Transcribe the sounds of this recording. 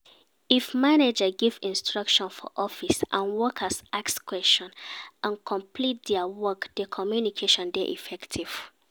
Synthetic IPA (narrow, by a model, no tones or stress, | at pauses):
ifmaned͡ʒəɡivḭ̃nstʰɹʌkʃɔ̃nfɔ̰ʔɔfisʔã̰nwɔkʰəsʔakskʰwɛst͡ʃɔ̃nʔãnkʰɔ̃mpʰlit̚dɛəwɔkd̥əkʰɔmjunikʰeʃɔ̃ndɛʔḭfɛktʰiv̥